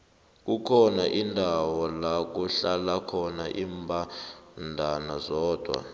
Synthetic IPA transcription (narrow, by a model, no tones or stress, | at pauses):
k̬ʼukʰɔnaʔindʱawɔlak̬uɬalakʰɔnaʔiːmbʱandʱanazɔːd̥ʱwa̰